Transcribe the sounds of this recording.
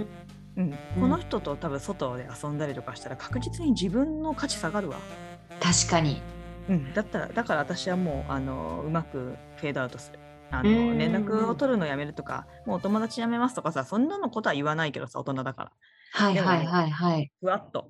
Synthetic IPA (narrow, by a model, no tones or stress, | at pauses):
ɯ̟̃ɴkko̞no̞çi̥t̪o̞t̪o̞t̪aβɯ̟̃ɰ̃so̞t̪o̞d̪e̞asõ̞nd̪aɾet̪okaɕi̥t̪aɾakʰḁkɯ̟ʑit͡sɨɲ̟id͡ʑibɯ̟̃nːo̞kat͡ɕi̥saɡaɾɯ̟βa̰ | t̪aɕi̥kaɲ̟iɯ̟̃ɴd̪at̪ːaɾa̰d̪akaɾaβat̪aɕiβamo̞ːʔa̰no̞̰ɯ̟makɯ̟ | ɸe̞ːd̪o̞aɯ̟t̪o̞sɨ̥ɾɯ̟ | anoɾẽ̞nd̪akɯ̟o̞t̪o̞ɾɯ̟no̞ːjame̞ɾɯ̟t̪o̞ka̰mo̞ːt̪o̞mo̞d̪at͡ɕijame̞masɨ̥t̪o̞kasasõ̞nːano̞ko̞t̪o̞aɯ̟βanaike̞d̪o̞sa̰o̞t̪o̞nad̪aka̰ɾa̰ | haiehaiɦaiɦaiɸɯ̟βat̪ːo̞̰